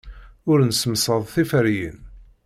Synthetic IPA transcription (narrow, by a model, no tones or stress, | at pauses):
ʊɾnəsəmsˤəðˤθifəɾjə̰n